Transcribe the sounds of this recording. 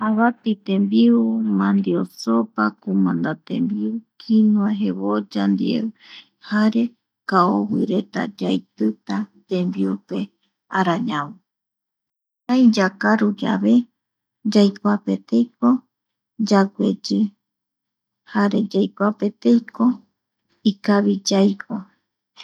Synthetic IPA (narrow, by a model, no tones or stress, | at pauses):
aβat̪it̪ẽmbiumãnd̪iosopakumãnd̪at̪ḛmbiukʰinũaɦeβod͡ʒand̪ḭḛɨ | haɾe̞ | kaowḭɾe̞t̪a̰d͡ʒajt̪ɨt̪at̪ẽmbiupe̞ | aɾaɲãwu | hajd͡ʒakaɾud͡ʒa̰βe̞ | d͡ʒajkʷape̞t̪ejko | d͡ʒaɡʷed͡ʒɨ | haɾe̞d͡ʒajkʷape̞t̪ejko̞ | ikaβid͡ʒajkʰo